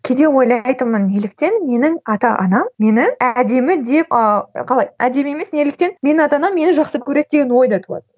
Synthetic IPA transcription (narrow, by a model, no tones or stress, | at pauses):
kʲʰe̞d̪e̞wo̞jlˠɑjt̪əməne̞lɪk̚t̪e̞nme̞nɪŋɑt̪ɑʔɑ̰nɑmːe̞nɪæd̪e̞mɪd̪e̞pɑqʰɑlˠɑjæ̰d̪e̞me̞me̞sne̞lɪk̚t̪e̞nme̞nɪɑt̪ɑnɑmːe̞nɪʒɑqsəp̚kʲʰɵɾe̞d̪̚d̪e̞ɡʲenwo̞jd̪ɑt̪ʰuɑ̰d̪ə